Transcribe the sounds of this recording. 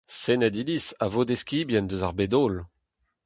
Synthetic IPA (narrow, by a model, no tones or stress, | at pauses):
senad̪ilisavod̪eskʲiːbjɛnd̪øzaʁbed̪oːl